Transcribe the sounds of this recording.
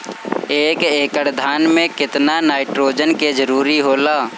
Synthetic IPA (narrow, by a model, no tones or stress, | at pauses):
eːkeːkəʈd̪ʱaːnmẽkɪt̪nanaːɪʈɾoːd͡ʒənked͡ʒəɾuːɾiɦoːlaː